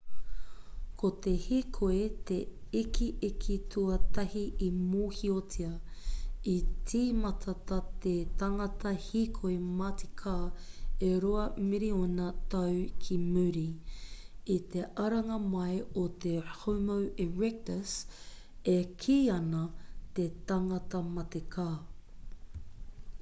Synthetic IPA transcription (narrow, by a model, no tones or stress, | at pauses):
kʰot̪ehiːkʰoet̪eikʰiʔikʰitʰuɐt̪ɐhiʔimoːhiotʰiɐ | itʰiːmɐtʰɐt̪ɐt̪et̪ɐŋɐt̪ʰɐhiːkʰoemati̥kʰaːeɾoɐmiɾionɐt̪ɐwkʰimʉɾi | it̪eʔɐɾɐŋɐmɐjot̪ehowmoweɹɛk̚təs | ekʰiːɐnɐt̪et̪ɐŋɐtɐmɐtekʰaː